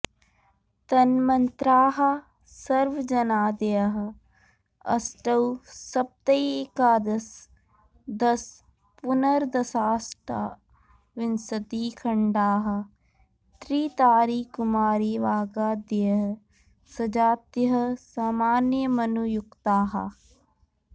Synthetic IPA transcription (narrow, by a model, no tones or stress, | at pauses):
t̪ɐnmɐnt̪ɾaːɦɐ | sɐɾʋd͡ʒɐnaːd̪ejɐɦ | ɐ̰sʈɐwsɐp̚t̪ɐiekaːd̪ɐs | d̪ɐs | pʊnəɾd̪ɐsaːsʈa̰ | ʋɪnsɐt̪iːkʰɐɳɖaːɦɐ | t̪ɾiːt̪aːɾiːkʊmaːɾiʋaːɡaːd̪ejɐɦɐ | sɐd͡ʒaːt̪jɦɐsaːmaːnjəmɐnujʊkt̪aːɦɐ̰